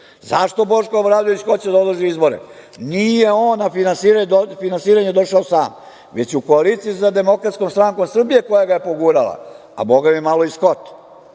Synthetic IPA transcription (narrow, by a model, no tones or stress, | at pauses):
zaʃt̪o̞boʃkoobɾavluoisko̞t͡ɕad̪aod̪ʒiizbo̞ɾḛ | nijeo̞ːnːafinansiɾad̪ofinansiːɾaɲed̪o̞ʃaosaːm | ʋe̞t͡ɕeuko̞alit̪sijisad̪e̞mo̞kɾat̪sko̞mst̪ɾaŋko̞msr̩bije̞ko̞jaɡaje̞po̞ɡuɾalˠa̰ | a̰bo̞ɡamemalo̞isko̞t̪